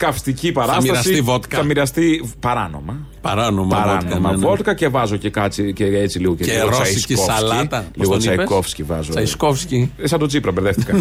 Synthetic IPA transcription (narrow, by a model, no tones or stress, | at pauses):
kɐfst̪icipɐɾɐstɐssiivot̪kɐɐmiɾɐst̪ipɐɾɐno̞̰mɐ | pɐɾɐnomɐɐɾoɐnomɐvo̞t̪kɐce̞vɐzo̞ce̞kɐt͡siceet͡siliɣo̞ceiɣot͡sɐiskioɐslit̪ɐlisɣot͡sɐiko̞fscivɐzoɐiskofsciesɐnd̪ot͡sipɾɐbeɾðefθt̪ikɐn